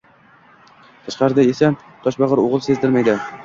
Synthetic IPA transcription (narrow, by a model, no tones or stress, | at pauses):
t̪ʰaʃqɑɾɪd̪aesa | t̪ʰɒʃbɑʁɨɾoʁɨlˠsezd̪ɪɾmajd̪ɪ